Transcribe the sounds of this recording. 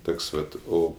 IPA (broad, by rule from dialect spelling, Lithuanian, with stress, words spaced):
ˈtoːks ˈʋɐt ˈoː